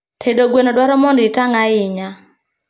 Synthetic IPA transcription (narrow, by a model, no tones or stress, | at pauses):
tʰedoɡwenodwaɾɔmɔndɪtaŋaɪɲa